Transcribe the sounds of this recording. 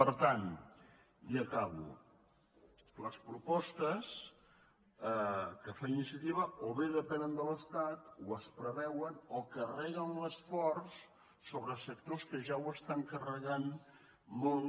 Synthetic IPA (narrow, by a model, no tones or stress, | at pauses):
pəɾt̪an | iəkaβṵ | ləspɾupɔst̪əs | kəfainisjət̪iβəoβeðəpɛnənd̪ələst̪at̪uəspɾəβɛwənokərɛɣənləsfɔrsː | oβɾəsək̚t̪oskəʒawəst̪aŋkərəɣan | mɔlˠ